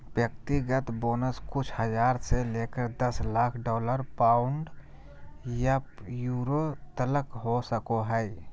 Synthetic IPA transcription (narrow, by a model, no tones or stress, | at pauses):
bjək̚t̪iɡət̪boːnəskʊt͡ʃʰhəd͡ʒaːɾseleːkəɾd̪əslaːkʰɖɔːləɾpaːʊɳɖ | jajuːɾot̪ələkɦosəkoɦəɪ